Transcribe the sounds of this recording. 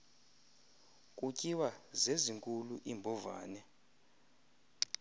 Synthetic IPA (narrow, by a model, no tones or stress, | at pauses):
kʼucʼiwazeziŋkʼuluʔimbʱɔva̰ːnɛ